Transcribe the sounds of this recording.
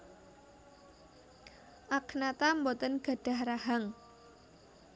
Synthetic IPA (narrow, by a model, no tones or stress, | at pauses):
ʔaknat̪ambɔt̪ənɡ̥a̤ɖ̥a̤hrahaŋ